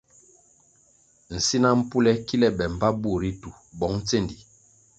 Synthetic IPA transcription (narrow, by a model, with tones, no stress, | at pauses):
n̩˨si˦na˦m̩˦pu˦lɛ˦ki˦lɛ˦ɓɛ˨m̩˨ba˦bu˦˨ɾi˦tu˨ | bɔ˨˦ŋ̩˦t͡se˦˨ndi˨